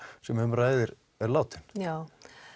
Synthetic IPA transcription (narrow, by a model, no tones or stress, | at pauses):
sɛmhʏmraːjðɪɾ | ɛɾlaːwt̪ɪn̥jaw